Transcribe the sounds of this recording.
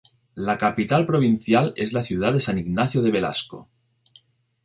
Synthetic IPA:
lakapit̪alpɾoβ̞in̟θjalezlaθjuð̞aðe̞saniɣnaθjoð̞e̞βe̞la̰sko̰

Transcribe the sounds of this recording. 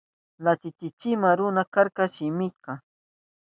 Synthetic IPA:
nat͡ʃɪt͡ʃɪt͡ʃɪmaɾʊnakaɾkaʃɪmɪka

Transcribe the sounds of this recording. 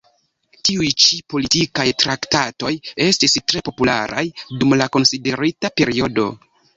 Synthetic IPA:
tiujt͡ʃipo̞litikajtɾaktato̞je̞stistɾe̞po̞pula̰ɾʔa̰jdumlako̞nside̞ɾitape̞ɾio̞do̞̰

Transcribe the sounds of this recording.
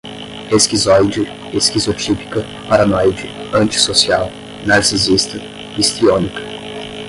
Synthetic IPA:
peskizɔjd͡ʒɪ | peskizot͡ʃipi̥kɐ | paɾanɔjd͡ʒɪɐ̃nt͡ʃi̥sosiaw | naɾsizist̪ɐ | ist̪ɾionikɐ̥

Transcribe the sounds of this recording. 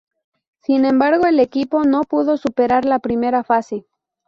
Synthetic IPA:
sinẽ̞mbaɾɣo̞ele̞kipo̞no̞puð̞o̞supe̞ɾaɾlapɾime̞ɾafase̞

